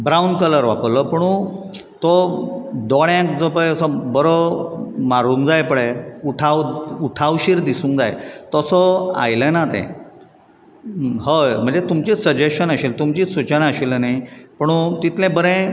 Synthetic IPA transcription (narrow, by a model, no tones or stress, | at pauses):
bɾaunkələɾʋaplɔpəɽ̃ũ | t̪ɔ | d̪ɔɽjãk̚d͡zopəɭɛsɔbəɾomaɾũŋkd͡zajpəɽeuʈʰawuʈʰawɕiːɾd̪isũŋkd͡zajt̪ɔsɔa̰jlənat̪ɛ̰̃ | ɦəjm̤əɳd͡zet̪umt͡ɕisəd͡ʑeɕənəɕilt̪umt͡ɕisut͡ɕənaəɕilnajpəɽ̃ũt̪it̪lɛ̃bəɾɛ̃